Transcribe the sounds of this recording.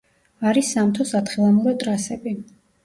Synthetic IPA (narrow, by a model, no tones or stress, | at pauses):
aɾisːamt̪ʰɔsat̪χilˠamuɾɔt̪ʼɾasɛbi